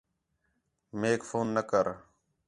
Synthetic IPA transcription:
meːkfʰoːnːəkəɾ

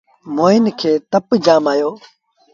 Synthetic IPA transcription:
moːɪnkʰeːt̪əpd͡ʒaːmaːjoː

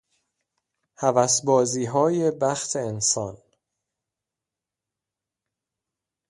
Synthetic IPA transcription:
hævæsbɒːziːɦɒːje̞bæxt̪ʰeːnsɒːn

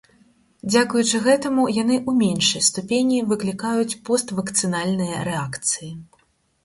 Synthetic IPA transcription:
d͡zʲakujut͡ʂɨɣɛt̪ɐmujanɨʔumʲenʂɐjst̪upʲenʲːivɨklʲikajut͡sʲpɔst̪vɐkt̪sɨnalʲnɨjɐ̰ɾɛakt̪sɨji

